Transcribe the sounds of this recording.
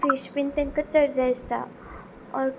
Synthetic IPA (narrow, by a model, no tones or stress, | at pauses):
fiɕpint̪ẽŋkət͡səɽd͡zajst̪a̰ | ɔ̰ɾ